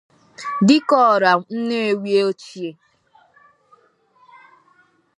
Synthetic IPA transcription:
dɪ˦kɔː˦˨ɾa˨n̩˦ne˦e˨wje˦o˦t͡ʃi˨e˨

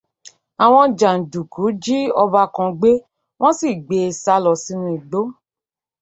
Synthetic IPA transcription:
a˨w̃ɔ̃˧d͡ʒã˨n̩˨du˨ku˨˦d͡ʒi˦ɔ˧ba˧kɔ̃˧ɡ͡be˦ | w̃ɔ̃˦si˦˨ɡ͡be˧sa˧˦lɔ˨si˧˦nũ˧i˨ɡ͡bo˨˦

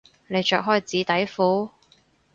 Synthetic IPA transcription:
ne˨˧jt͡ʃœː˨k̚ɦɔː˥˩jt͡siː˨˥t̪ɐ˨˥jfuː˨˥

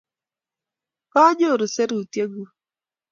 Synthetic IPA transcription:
kɔ˦ɲo˦˨ɾo˨se˦ɾu˨tje˦ɡu˨

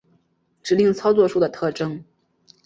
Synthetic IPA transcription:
ʈ͡ʂɻ̩˧˥li˥˩ŋt͡sʰɑ˥ʊt͡swɔ˥˧ʂu˥˩d̪ə˩t̪ʰɤ˥˩ʈ͡ʂɤ˥ŋ

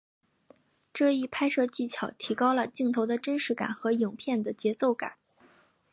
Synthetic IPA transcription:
ʈ͡ʂɤ˥˧i˥˩pʰa˥ɪʂɤ˥˧t͡ɕi˥˩t͡ɕʰjɑ˨˩ʊt̪ʰi˧˥kɑ˥ʊlə˨t͡ɕi˥˩ŋt̪ʰo˧˥ʊd̪ə˧ʈ͡ʂə˥nʂɻ̩˧˥ka̰˨˩nxɤ˧˥jʊ˨˩ŋpʰjɛ˥˩nd̪ə˩t͡ɕjɛ˧˥t͡so˥˩ʊka̰˨˩˦n

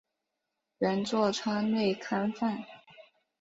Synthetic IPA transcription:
ɥɛ˧˥nt͡swɔ˥˧ʈ͡ʂʰwa˥ne˥˩ɪkʰa˥nfa˥˩n

